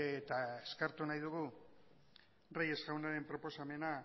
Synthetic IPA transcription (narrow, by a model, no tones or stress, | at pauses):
t̪aeskaɾt̪unajðuɣ̞u | raje̞zɣawnaɾe̞mpɾo̞po̞same̞na